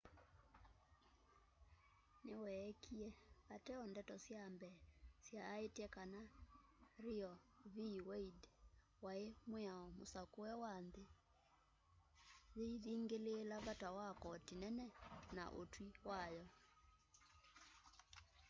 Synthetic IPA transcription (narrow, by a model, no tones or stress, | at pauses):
newɛkʰiɛβatɛɔndɛtɔsjambɛːsjaːetɛkana | ɾijɔβiwɛid | waemweaɔmosakoɛwanðe | ðeiðiːŋɡeleːlaβatawakɔtinɛnɛna̰ʔo̰twiwajɔ